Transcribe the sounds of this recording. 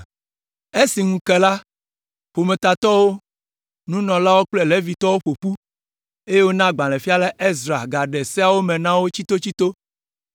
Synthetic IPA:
e˦si˨ŋũ˨kɛ˨la˦ | ɸo˨mẽ˨t̪a˨t̪ɔ˦wo˦ | nũ˦nɔ̃˨la˦wo˦k͡plɛ˦le˦vi˨t̪ɔ˦wo˦ɸo˨ɸu˦ | e˦je˦wo˦nã˦ɡ͡bã˨lɛ̃˨fi˦a˦la˦ʔe˦zɾa˨ɡa˨ɖɛ˨sɛ˦a˨wo˦mɛ̃˨nã˦wo˦t͡ɕi˦t̪o˦t͡ɕi˦t̪o˦

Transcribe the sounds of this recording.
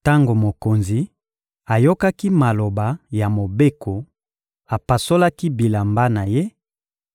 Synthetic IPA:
ta˦ŋɡo˨mo˨ko˨nzi˨ | a˨jo˦ka˦ki˦ma˨lo˨ba˨ja˨mo˨be˦ko˨ | a˨pa˨so˦la˦ki˦bi˨la˨mba˦na˨je˦

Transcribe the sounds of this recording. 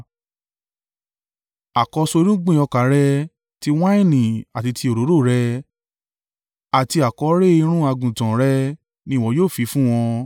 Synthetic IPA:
a˨kɔ˧so˧ɾũ˦ɡ͡bĩ˦˨ɔ˧ka˨˦ɾɛ˧ | ti˧w̃ã˦ĩ˦˨nĩ˨a˨ti˧tʰi˧o˨ɾo˨˦ɾo˦˨ɾɛ˧ | a˨ti˧a˨kɔ˧˦ɾe˦i˧ɾ̃ũ˦a˧ɡũ˨tã˨ɾɛ˦ | nĩ˧˦˨wɔ̃˧˦joː˦˨fi˨˦fũ˦w̃ɔ̃˧

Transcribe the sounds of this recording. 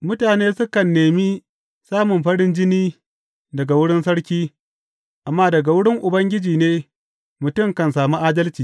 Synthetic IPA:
mʊ˦taː˨neː˦sʊ˦kɐ˨nːeː˨mi˦ | saː˦mʊ˨mɸɐ˦ɽɪ˦nd͡ʒɪ˦niː˦ | dɐ˨ɡa˨wʊ˦ɽɪ˦nsɐ˦ɽkʲiː˦ | ʔa˨mːaː˦dɐ˨ɡa˨wʊ˦ɽɪ˦ŋʔʊ˨bɐ˦ŋɡʲɪ˦d͡ʒiː˨neː˦ | mʊ˨tʊ˦˨mkɐ˨nsaː˨mu˦ʔaː˦dɐ˦lt͡ʃiː˨

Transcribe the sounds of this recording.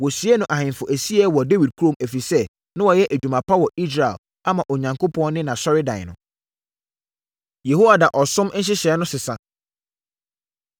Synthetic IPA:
wɔ˨si˨ɛ˦nʊ̃˨ʔa˨hɪ̃˨nfʊ˨ʔæ˨si˦ɛ˦wɔ˨de˦wi˨d̚kʰu˦õ˦˨mæ˨fi˨sɛ˦ | nã˦wɔ˨jɛ˦ʔæ˨d͡ʑᶣu˨mã˨pʰa˦wɔ˨i˦s̬ɾa˨ɛ̰˨l | a˦mã˨ʔo˨ɲã˨ŋkʰʊ˦pʰɔ̃˦nɪ̃˦nã˨sɔ˦ɾɪ˦dã̰˨n˨nʊ̃˨ | je˨ho˦wa˨da˨ʔɔ˨sʊ̃˦m˦n̩˦ɕ̬ɪ˦ɕɛ˨ɛ˦nʊ̃˦sɪ˨sã˨

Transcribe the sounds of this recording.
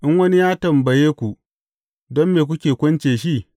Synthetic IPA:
ʔɪ˦ŋwɐ˦ni˦jaː˦tɐ˨mbɐ˨jeː˦kʷu˨ | dɔ˦mːeː˨k̬ʷʊ˦kʲeː˨kʷʊ˦nt͡ʃeː˨ʃi˦˨

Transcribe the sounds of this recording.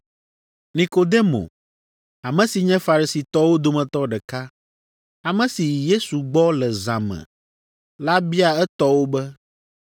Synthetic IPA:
nĩ˨ko˨d̪e˦mo̰˨ | a˨mɛ̃˨si˨ɲɛ̃˦fa˨ɾi˨si˨t̪ɔ˦wo˦d̪o˦mɛ̃˨t̪ɔ˦ɖɛ˨ka˦ | a˨mɛ̃˨si˨je˦su˨ɡ͡bɔ˦lɛ˨zã˨mɛ̰̃˨ | la˦bi˦a˨ɛ˦t̪ɔ˦wo˦bɛ˦

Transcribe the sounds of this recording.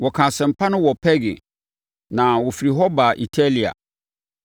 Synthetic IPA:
wɔ˨kʰã˨sɛ̃˨m̩˨pʰa˦nʊ̃˦wɔ˨pʰɛ˦ɡɪ̰˨ | nã˨wɔ˨fi˨ɾi˨ɦɔ˦ba˨ʔi˨tʰa˦li˨a̰˨

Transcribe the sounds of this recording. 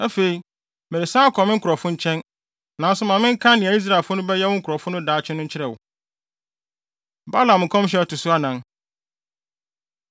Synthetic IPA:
æ˦fe˨i˨ | me˨e˨sãː˦kʰɔ˨mɪ̃˦ŋ̩˦kʰʊ˨ɾɔ˨fʊ̃˦ɲ̩˦t͡ɕʰɛ̃˦n | nã˨n̩˦sʊ˦mã˨mɪ̃˦ŋ̩˦kʰã˦nɪ̃˨a˨i˦s̬ɾa˨fʊ˦nʊ̃˦bɛ˦jɛ˦wɔ̃˦ŋ̩˦kʰɾɔ˨fʊ̃˦nʊ̃˦daː˨˦t͡ɕʰᶣɪ˦nʊ̃˦ɲ̩˦t͡ɕʰɪ˦ɾɛ˨wʊ̰˨ | ba˦lã˨mŋ̩˨kʰɔ̃˦m˦ɕ̬ɛ˦˨tʊ˨sʊ˦a˦nã˦n

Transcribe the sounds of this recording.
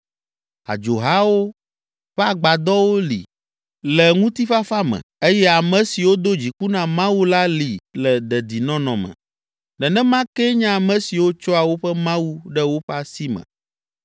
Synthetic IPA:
a̰˨d͡ʒo˨ɦa˦wo˦ | ɸɛ˦a˦˨ɡ͡ba˨d̪ɔ˦wo˦lḭ˨ | lɛ˨ŋũ˦t̪i˦ɸa˦fa˦mɛ̰̃˨e˦jɛ˦a˨mɛ̃˨si˨wo˦d̪o˦d͡ʑi˨ku˦nã˨mã˦wu˦la˦li˨lɛ˨d̪ɛ˨d̪i˨nɔ̃˦nɔ̃˨mɛ̰̃˨ | nɛ˨nɛ̃˦mã˦kɛ˦ɲã˦a˨mɛ̃˨si˨wo˦t͡ʃɔ˦a˨wo˦ɸɛ˦mã˦wu˦ɖɛ˦wo˦ɸɛ˦a˦si˦mɛ̰̃˨

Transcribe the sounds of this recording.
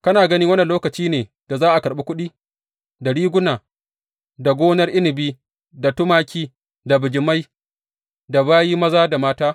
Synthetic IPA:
kɐ˦naː˨ɡɐ˦niː˦wɐ˦nɐ˨loː˦kɐ˨t͡ʃiː˦neː˨ | d̥a˨zaː˦ʔa˨kɐ˨ɾɓe˦kʷʊ˦ɗiː˦ | da˨ɽiː˦ɡʷʊ˦naː˨ | da˨ɡʷoː˦nɐ˦rʔɪ˦nɪ˨biː˦ | da˨tʊ˦maː˦kʲiː˦ | da˨bɪ˨d͡ʒɪ˨ma˦j | da˨βaː˦jiː˦mɐ˦zaː˦da˨maː˦taː˦

